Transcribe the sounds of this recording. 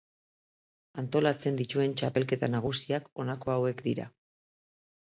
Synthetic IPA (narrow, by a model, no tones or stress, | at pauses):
ant̪o̞lat͡se̞nd̪it̪ue̞nt͡ʃape̞lke̞t̪anaɣ̞usiako̞nakoawe̞kd̪iɾa̰